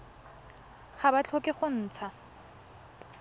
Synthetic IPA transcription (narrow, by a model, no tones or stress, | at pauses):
χabat͡ɬʰokʼɪχʊn̩ːt͡sʰa